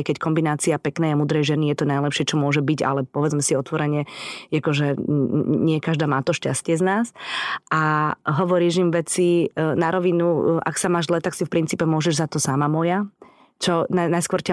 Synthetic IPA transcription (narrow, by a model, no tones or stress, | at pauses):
jkɛckɔmbinaːt͡siapɛknɛːjamuːd̪ɾɛjʒɛnijɛt̪ɔnajlɛpʃɪɛt͡ʃɔmʊɔʒɛbiɟa̰lɛpɔʋɛd͡zmɛsiɔt̪ʋɔɾɛɲɪɛjakɔʒɛ | ɲɪɛkaʒd̪aːmaːt̪ɔʃca̰scɪɛznaːsʔaɦɔʋɔɾiːʒimʋɛt͡sinaɾɔʋinuʔa̰ksamaːʒzlɛt̪aksifpɾint͡siːpɛmʊɔʒɛʒzat̪ɔsamamɔja | t͡ʃɔnanajskʊʋɔɾca